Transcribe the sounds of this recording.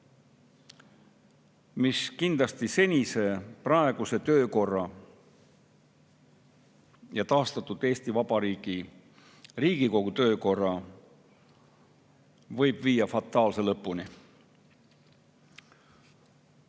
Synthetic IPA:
miskind̪̥lɑst̪ise̞nʲise̞prɑe̞ɡ̥use̞t̪ø̞ːko̞rːɑ | jɑt̪ɑːst̪ɑt̪ːˑud̪̥e̞ːst̪ivɑb̥ɑɾiːɡ̥i | riːɡ̥iko̞ɡ̥ut̪ø̞ːko̞rːɑ | vɤ̞jb̥viːjːɑfɑt̪ːˑɑːlse̞lɤpːˑuni

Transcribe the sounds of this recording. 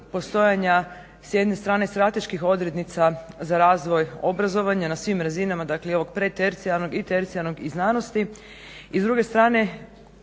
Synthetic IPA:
po̞st̪o̞jaɲa | sje̞d̪ne̞st̪ɾaːne̞st̪ɾat̪e̞ʃkixo̞d̪ɾe̞t̪nit̪sazaɾaːzʋo̞jo̞bɾazo̞ʋaɲanasʋimɾazinamad̪akleio̞ʋo̞ɡ̚pɾet̪eɾt̪sialˠno̞ɡit̪eɾt̪sialnoɡiznaːno̞st̪i | izd̪ɾuɡe̞st̪ɾaːne̞

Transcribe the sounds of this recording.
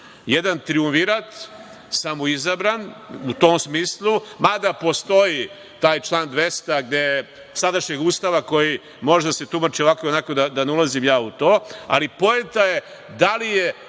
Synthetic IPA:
jed̪ant̪ɾiumfiɾat̪ | samoizabɾanut̪oːmsmiːslˠumad̪apo̞st̪o̞ji | t̪aːjt͡ʃlˠaːnd̪ʋest̪aɡd̪eje | sad̪aʃɲeɡuːst̪aʋako̞ji | mo̞ʒed̪aset̪umat͡ʃio̞ʋakoonakod̪ad̪aneulazimjaːut̪o̞ːa̰lipo̞et̪aje | d̪alije

